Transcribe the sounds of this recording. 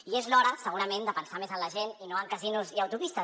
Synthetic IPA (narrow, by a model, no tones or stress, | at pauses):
iezlɔɾəsəɣ̞uɾəmẽnd̪əpənsamezənləʒeninoaŋkazinuziəwt̪upist̪ə